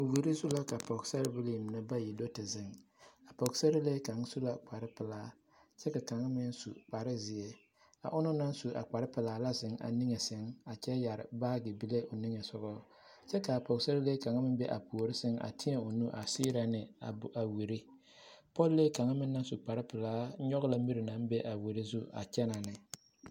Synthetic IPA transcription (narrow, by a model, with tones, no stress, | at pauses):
wi˨ɾi˦su˦la˦ka˨pɔ˨ɡsa˦ɾɪ˦bi˦li˨m˨nɨ˦ba˦ji˨do˦tɪ˨zɪ˨ŋ | a˨pɔ˨ɡsa˦ɾɪ˦le˦ka˨ŋ˦su˦la˦k͡pa˨ɾɪ˦pɪ˨laː˦ | t͡ʃɛ˦ka˨ka˨ŋa˦mɪ˦n˦sṵ˨k͡pa˨ɾɪ˦zɪ˨e˦ | a̰˨ʔʊ˦nʊ˦na˦n˦su˨a̰˨k͡pa˨ɾɪ˦pɪ˨laː˦la˦zɪ˨ŋa̰˨ni˦ŋe˨sɪ˦ŋa˨t͡ʃɛ˦ja˨ɾɪ̰˨baː˦ɡɪ˨bi˦le˦ʔo˨ni˦ŋe˨sʊ˨ɣɔ˦ | t͡ʃɛ˦ka˨po˨kse˦ɾɪ˦le˦ka˨ŋa˦mɪ˦bɛ˦ʔa̰˨pu˨o˨ɾɪ˦sɪ˦ŋa̰˨tʰi˦e˨o˨nu˦ʔa̰˨si˦ɾa˨nɪ˨a̰˨a˨wi˨ɾi˦ | pɔ˦lleː˦ka˨ŋa˦mɪ˦nː˦a˦nsu˨k͡pa˨ɾɪ˦pɪ˨laː˦ɲɔ˦ɣla˦mi˦ɾɪ˨na˨˦n˦be˦ʔa˨wi˨ɾi˦zu˦a̰˨t͡ʃɛ˦na˨nɪ˨